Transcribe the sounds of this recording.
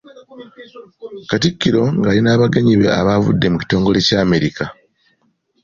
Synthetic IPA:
katikːiɾo̞ŋɡalinaːβaɡeɲiβe̞a̰βavṵdːe̞muci̥to̞ːŋɡo̞le̞ːcaːme̞ɾika

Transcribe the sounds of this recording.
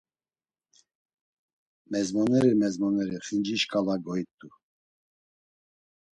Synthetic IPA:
mɛzmɔnɛɾimɛzmɔnɛɾiχind͡ʒiʃkʼalaɡɔit̪ʼu

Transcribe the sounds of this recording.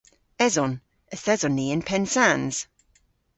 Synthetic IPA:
ɛzɔn | əθɛzɔnːiːənpʰɛnsanz̥

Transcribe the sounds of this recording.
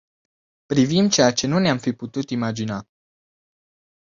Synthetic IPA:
pɾivimt͡ʃe̞jat͡ʃe̞nuneamfiput̪ut̪imad͡ʒina

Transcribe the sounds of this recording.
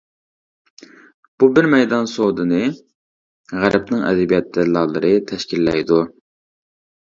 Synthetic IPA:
b̥ubɪɾmɛjd̪ɑnsod̪ɨnɨ | ʁæɾʔɛpnɨŋɛ̰d̪ɛbijɛt̪̚d̪ɛlˠɑlˠɨɾɨt̪ʰɛʃkʲilːɛjd̪u

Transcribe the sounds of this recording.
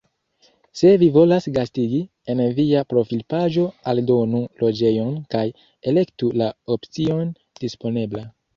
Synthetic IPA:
se̞vivo̞lasɡastiɡi | e̞nviapɾo̞filpaʒo̞aldo̞nulo̞d͡ʒe̞jo̞nkaj | e̞le̞ktulaopt͡sio̞n | d̥ispo̞ne̞bla

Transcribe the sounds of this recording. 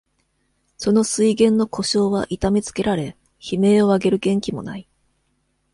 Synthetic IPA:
so̞no̞sɨiɡẽ̞nːo̞kʰo̞ɕo̞ːβaʔit̪amʲit͡sɨ̥ke̞ɾaɾe̞ | çime̞ːo̞aɡe̞ɾɯ̟ɡẽ̞ŋkʲimo̞̰nai

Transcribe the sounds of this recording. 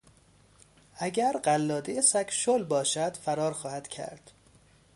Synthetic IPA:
ʔæɟæɾɢælːɒːd̪ejesækʰʃolbɒːʃæd̪̥fæɾɒːɾxɒːhæd̪̥cʰæ̰ɾd̪̥

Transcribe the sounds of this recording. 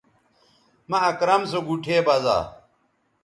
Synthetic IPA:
mɐɐkɾɐmsoɡuʈʰeːbɐza̰ː

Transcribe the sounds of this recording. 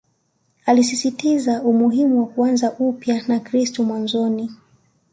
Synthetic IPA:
alisisitizaumuɦimuwakuanzaʔupjanakɾistɔmwanzɔni

